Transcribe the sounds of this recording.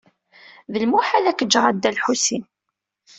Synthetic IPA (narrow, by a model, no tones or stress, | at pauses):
ðəlmuħalækːəd͡ʒːʁad̪ːælħusin